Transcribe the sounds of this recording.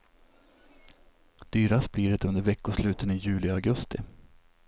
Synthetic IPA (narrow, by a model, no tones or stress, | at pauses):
d̪̥yːɾasbliːd̪ɛt̪ɵnd̪əɾvɛkːʊʂlʉ̟ːt̪ənɪjʉ̟ːlɪaɡɵst̪ɪ̰